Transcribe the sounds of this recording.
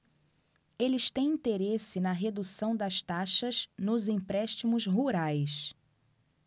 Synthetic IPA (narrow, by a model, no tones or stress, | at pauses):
elɪst̪ẽj̃ĩt̪eɾesɪnɐɦed̪usɐ̃w̃d̪ɐst̪aʃɐznʊzĩpɾɛʃt͡ʃimʊzɦuɾajs